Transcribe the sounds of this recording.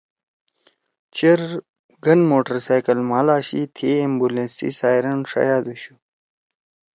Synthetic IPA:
t͡ɕeɾ | ɡɐnmoːʈəɾsaːjkɐlmaːlaːɕit̪ʰeimbulẽnsḭsaːjɾɐnʂa̰jaːd̪uɕu

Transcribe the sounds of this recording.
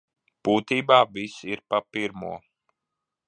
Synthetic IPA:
b̥uːt̪iːbaːvisiɾpapiɾmṵɔ

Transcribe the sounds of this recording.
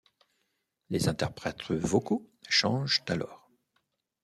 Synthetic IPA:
lezɛ̃t̪ɛʁpχɛt̪χəvokoʃɑ̃ʒt̪alɔːʁ

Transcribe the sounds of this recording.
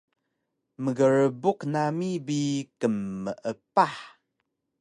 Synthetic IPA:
məɡəɾəbuknamibikəmːəʔəpaħ

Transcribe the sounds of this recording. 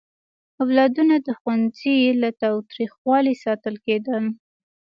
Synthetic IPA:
awlɑd̪unad̪əxwanzilat̪ɑwt̪ɾixwɑlisɑt̪əlked̪əl

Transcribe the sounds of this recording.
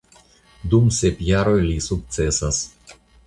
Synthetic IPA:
d̪umsepjaɾo̞jlisuk̚t̪se̞sas

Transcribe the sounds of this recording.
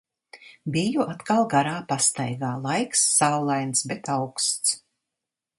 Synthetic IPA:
bijuʔat̪kalˠɡaɾaːpast̪a̰jɡaːlˠajksːawlˠajnsbɛt̪awkst̪s

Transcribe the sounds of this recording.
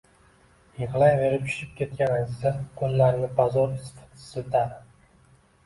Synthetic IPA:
jɪʁlˠajve̞ɾɪp̚t͡ʃ̪ʰʊ̥ʃɪp̚kʲʰe̞t̪̚kʲanazɪzakʰonlaɾmɪbazɒɾɪsfḁt̪ʰɪ̥sɪd̪aɾ

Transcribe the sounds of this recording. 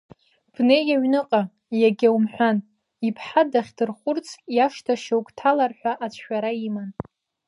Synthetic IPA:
b̥nejaɥnɨqʼa | jaɡʲawmħᶣʷan | ipʰħadaχʲdɨrχʷʊrt͡sʰjaʂtʰaʃawkʼtʰalarħʷᶣaʔat͡ʃʷʰʃʷᶣaɾaiman

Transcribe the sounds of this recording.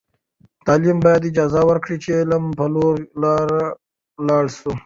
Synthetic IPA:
t̪aːlimbɑːjad̪ɪd͡ʒɑːzawəɾkɽit͡ʃʰelɐmpəloɾlaːɾa | lɑːɽsu

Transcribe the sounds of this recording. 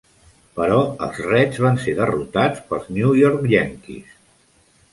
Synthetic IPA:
pəɾɔəlˠzrɛzβanseðərut̪at͡spəlˠznjujɔɾkʎɛŋkḭs

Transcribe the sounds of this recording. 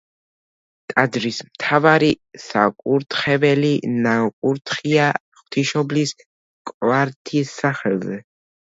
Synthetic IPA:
t̪ʼad̪ɾismt̪ʰavaɾisa̰kʼuɾt̪ʰχɛvɛlinakʼuɾt̪ʰχia | χw̥t̪ʰiʃɔblis | kʼvaɾt̪ʰisːaχɛlˠzɛ

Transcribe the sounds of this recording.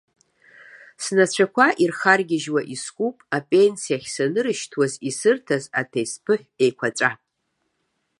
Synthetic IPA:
snat͡ɕʷʰakʷʰaʔirχarɡʲɪʒwaʔiskʷʼupʼapʼe̞nsijaχʲsanɨɾɨʃtʰwazisɨrtʰazatʰejspʰɨħʷᶣejkʷʰat͡ʃʷʼa

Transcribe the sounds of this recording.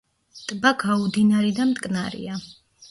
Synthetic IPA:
t̪ʼbaɡaud̪inaɾid̪amt̪ʼkʼnaɾḭa

